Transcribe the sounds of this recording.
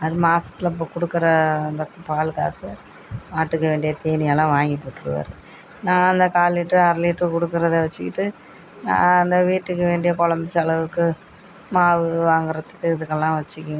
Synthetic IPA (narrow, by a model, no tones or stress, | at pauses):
ɐðɯmaːsɐ̥t̪ːɪlɐɪp̬ːoːkɔɽɯkːɯɾɐːnd̪ɐpaːlka̰ːsɐ | naːʈːɯkːɐʋeːɳɖɪjɐt̪eːnɪjɐlãːʋaːŋɡipːoːʈːɯɾɯ̰ʋa̰ːɾɯ | nãːɐnd̪ɐkaːliʈːɯɐɾliʈːɯkɔɽɯkːɯɾɐðɯʋɐt͡ʃːɪkːɪʈːɯ | nã̰ːɐnd̪ɐʋiːʈːɯkːɯʋeːɳɖɪjɐkɔlɐmbɪsɐɭɐʋɯkːɯ | maːʋɯʋaːŋɡɯɾɐt̪ːɯ̥kːɯɪðɯkːɐlːãːʋɐt͡ʃːɯkːʊ̃